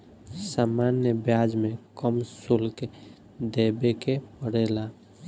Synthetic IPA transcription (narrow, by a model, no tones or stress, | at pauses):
saːmanjəbjad͡ʒmẽkəmsʊlke | d̪ebekepəɽela